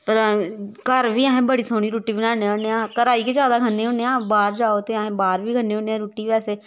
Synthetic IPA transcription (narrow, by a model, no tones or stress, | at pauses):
pəɾkəɾʋʱiːaːɦẽːbəɽiːsoːɽ̃iːɾuːʈiːbɪnaːneːõːɳeːãːkəɾaːiːkeːd͡ʒjaːd̪aːɡʱənːeːɦõːneãːbaːɾd͡ʒaːoːt̪eaɦẽːbaːɾʋiːɡʱənːẽːoːneːãːɾuːʈiːɛːseː